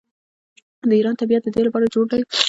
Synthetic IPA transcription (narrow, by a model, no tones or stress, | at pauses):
d̪əiɾɑnt̪abijat̪̚d̪əd̪elapɑɾad͡ʒoɽd̪awi